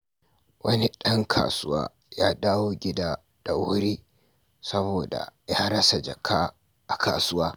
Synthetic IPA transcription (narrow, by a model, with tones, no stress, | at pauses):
wɐ˦ni˦ɗɐ˦ŋkʰa̰ː˨sʊ˦wa̰ː˦ | jaː˦daː˦woː˦ɡʲɪ˦daː˦ | d̥a˨ʔʊ˦ɾiː˦ | sɐ˦boː˨da̰˨jaː˦ɾɐ˦sa˨d͡ʒɐ˨kʰaː˦ | ʔa˨kʰa̰ː˨sʊ˦waː˦